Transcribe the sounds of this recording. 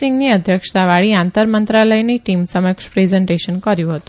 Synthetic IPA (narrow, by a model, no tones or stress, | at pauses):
ɪŋɡniəd̪ʱjəkʂt̪aʋaɭiãnt̪əɾmənt̪ɾaləjneʈimsəməkʂpɾezɛɳʈeʃənkəɾjũɦət̪ũ̥